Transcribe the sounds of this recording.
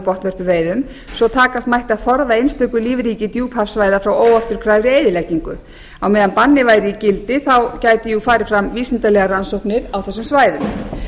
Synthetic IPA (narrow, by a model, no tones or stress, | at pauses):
pɔht̪vœr̥pʏveːjðʏm | sɔt̪ʰaːkast̪majht̪aðθɔɾðaejnst̪œkʏliːvɪɾiːcɪt̪juːphafsvaːjðafɾawoːwaft̪ʏɾ̥kʰɾaːjvɾɪeːjðɪlajciŋkʏ̰ | awmɛːðanpanːɪvaːjɾɪicɪlt̪ɪθawcaːjt̪ɪjʏfaːɾɪfɾamviːsɪnt̪alɛːɣaɾansowhpnɪɾawθɛsːʏmsvaːjðʏm